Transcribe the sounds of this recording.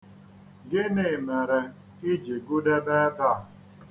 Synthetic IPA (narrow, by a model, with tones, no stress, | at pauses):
ɡɪ˦ne˨me˨ɾe˨ | i˦d͡ʒi˨ɡu˦de˦be˦ba˦˨